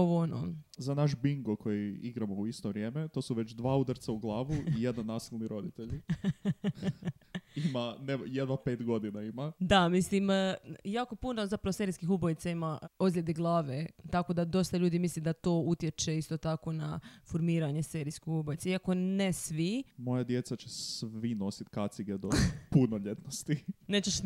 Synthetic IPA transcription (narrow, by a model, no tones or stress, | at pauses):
oʋoono̰zanaʃ̬biŋɡokʰojiiɡɾamouist̪oʋɾʲje̞ːmet̪o̞ːsuʋet͡ɕd̪ʋaːud̪aɾt̪sauɡlˠaːʋuijed̪anːasilˠniɾo̞d̪it̪eʎ | imanejed̪ʋape̞ːt̪ɡo̞d̪inaimad̪amislimjaːko̞punozapɾaʋose̞ɾiskixubojit̪saimaozlʎʲed̪eɡlˠaːʋet̪ako̞d̪ad̪o̞st̪aʎuːd̪imislid̪at̪o̞ːut̪je̞t͡ʃe̞ist̪o̞t̪ako̞nafoɾmiːɾaɲe̞seɾiskixubojit̪saiako̞nesʋimo̞jad̪jet̪sat͡ɕessʋino̞sit̪kat̪siɡed̪opunoʎet̪nost̪ineːt͡ɕeʃ